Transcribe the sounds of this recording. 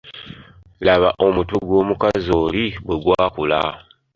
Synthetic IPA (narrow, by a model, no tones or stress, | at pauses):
laβaʔo̞mutuɡwo̞ːmukazoːliβwe̞ɡwaːkula̰